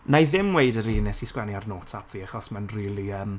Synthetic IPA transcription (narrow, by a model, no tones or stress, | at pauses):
najðɪmwejdəɾiːnɪsiskwɛniarnoːtʰapʰv̥iːaχɔsmɛnriːlˠiəm